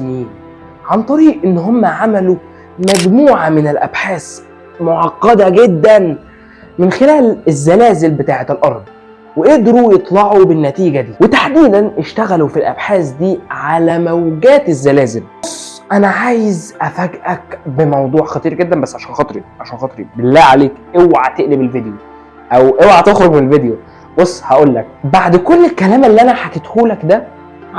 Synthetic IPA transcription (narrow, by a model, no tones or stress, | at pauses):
niːn | ʕant̪ˤɑɾiːʔʔenːɦomːæʕamælu | mæɡmuːʕamɪnelʔæ̰bħaːs | moʕɑqːɑd̪æɡed̪ːæn | menxelæːlezːælæːzelbet̪aːʕet̪elʔɑɾˤd̪ˤ | weʔeʔd̪ɾujet̪ˤlɑʕubɪnːæt̪iːɡæd̪iːwet̪aħd̪iːd̪ænʔeʃt̪æɣælufilʔæ̰bħaːsd̪iːʕalæːmæwɡæːt̪ezːælæːzelbosˤːʔænæʕaːjezʔæfæɡʔækbemɑwd̪ˤuːʕxɑt̪ˤiːɾɡed̪ːænbæsːʕaʃæːnxɑt̪ˤɾiʕaʃæːnxɑt̪ˤɾḭbelːæːʕaleːkʔewʕat̪eʔlebelved̪jo | ʔæwʔewʕat̪exɾoɡmenelved̪jo | bosˤːhæʔoːlːæk̚baʕd̪kolːelkælæːmelːiʔænæħaket̪huːlækd̪æ